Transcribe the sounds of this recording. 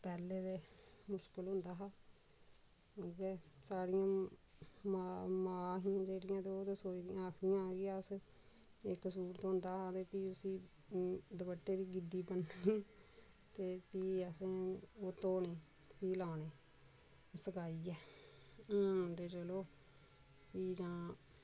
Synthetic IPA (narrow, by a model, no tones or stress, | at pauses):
pɛːleːt̪eːmʊʃkəlɦʊnd̪aːɦaː | keːsaːɽɪjãː | mamaːɦiːãːd͡ʒeːɽɪjãːt̪eoːt̪eːsoːid̪ɪjãːəkʰd̪ɪjãːɡijãːəs | ɪkːsuːɾət̪ɦʊ̃nd̪aːɦaːt̪eːpiːʊsĩː | d̪əbəʈːeːd̪iːɡɪd̪iːpənniː | t̪eːpiːəsẽoːt̪oːneː | piːlaːneː | səkaːiːɛː | t̪eːt͡ʃəloː | piːd͡ʒãː